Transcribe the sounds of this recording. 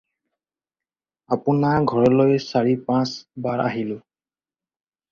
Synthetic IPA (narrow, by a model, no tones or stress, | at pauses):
apunaɡʱɔɹɔlojsaɹipãsbaɹʔa̰ɦilʊ̃